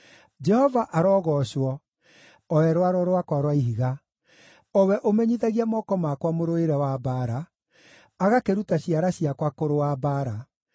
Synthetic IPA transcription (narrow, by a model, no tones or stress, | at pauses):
d͡ʒɛhɔvaʔaɾɔːɣɔɕwɔ | ɔɛɾwaɾɔɾoakwaɾwaiɦiɣa | ɔwɛʔomɛɲiðaɣiamɔkɔmakwamoɾoeɾɛwabaɾa | aɣakeɾutaɕiaɾaɕiakwakoɾowabaɾa